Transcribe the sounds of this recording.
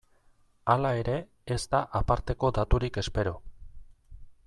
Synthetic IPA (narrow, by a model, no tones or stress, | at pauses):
alae̞ɾe̞ː | zt̪aʔapaɾt̪e̞ko̞d̪at̪uɾike̞spe̞ɾo